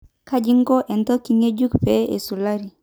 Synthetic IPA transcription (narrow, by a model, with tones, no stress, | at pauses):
ka˦d͡ʒi˦ŋɡɔ˦ʔɛ˨nt̪ɔ˦ki˨ŋe˦d͡ʒu˦kpe˨˦ḛ˨su˨la˦ɾi˨